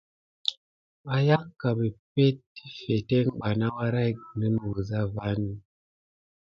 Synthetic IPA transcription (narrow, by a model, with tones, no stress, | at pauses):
a˨ja˦ka˨be˨pe˦t̚i˦fe˨te˦ɡ͡ba˨na˦wa˦ɾa˦˨˦nɨ˦n˨wə˨za˦va˦n˦